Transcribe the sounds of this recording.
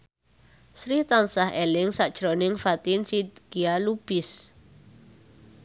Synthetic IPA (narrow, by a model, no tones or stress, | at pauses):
sɾit̪ansaɦelɪŋsaʔd̥ʒ̥ɾonɪŋfat̪insid̪ɡ̥ialub̥ɪs